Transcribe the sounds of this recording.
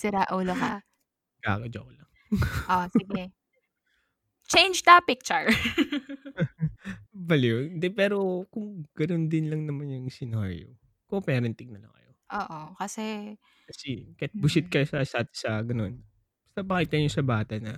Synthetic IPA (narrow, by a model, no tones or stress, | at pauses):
sɪɾaʔuːloka | ɡa̰ːkɐd͡ʒɐ̰kolɐŋ | ʔosɪɡɛ | t͡ʃejnd͡ʒt̪ɐpɪk̚t͡ʃʊɹ | bɐlond̪ɛpɛːɾo̞kʊŋɡ̥ɐnond̪ɪnlɐŋnɐmanjʊŋsɪnaɾ̰jo̰ | kopɛːɾɛnt̪ɪɡ̚nɐlɐ̰ŋkɐ̰joʔoːʔokɐsɛ | kɐsɛkɐjat̪̚bʊsɪt̪̚kɐsɐsaːt̪ɪ̥sɐɡɐno̞n | sɐpɐkiːt̪ɐɲosɐbaːt̪ɐnɐ